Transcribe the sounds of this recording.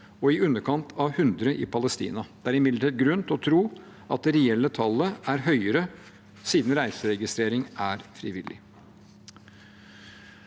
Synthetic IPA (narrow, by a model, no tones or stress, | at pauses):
ɔɪʉnːəɾkʰɑnt̪ʰɑhʉnd̪ɾəʔɪ̰pʰɑləst̪ḭːnɑd̪ɛæɾɪmɪd̪əʈʰiːt̪̚ɡɾʉnt̪ɔt̪ʰɾuː | ʔɑ̰t̪̚d̪ɛɾɛɛlːət̪ʰɑlːəæɾɦœʏəɾə | siːd̪n̩ɾæɪsəɾɛɡɪst̪ɾeːɾɪŋæɾfɾɪʋɪlːɪ̰